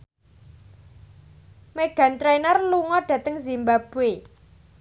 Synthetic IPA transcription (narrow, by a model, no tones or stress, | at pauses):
meɡ̥ä̤nt̪ɾenərluŋɔɖ̥ä̤t̪əŋzimbab̥e